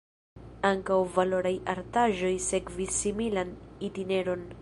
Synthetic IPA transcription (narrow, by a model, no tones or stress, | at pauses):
aŋkawvalo̞ɾajaɾtaʒo̞jse̞kvisːimilanitine̞ɾo̞n